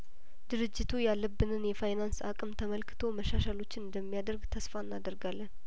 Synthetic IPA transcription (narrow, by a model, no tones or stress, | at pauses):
d̪ɨɾɨd͡ʒːɪt̪ʰujalːəbːɨnɨnjɛfajnansa̰kʼɨmt̪ʰəməlkʰɨ̥t̪ʰo̞məʃaʃalo̞t͡ʃːɪnɨnd̪əmːijad̪əɾɡt̪ʰəsfanːad̪əɾɡalːən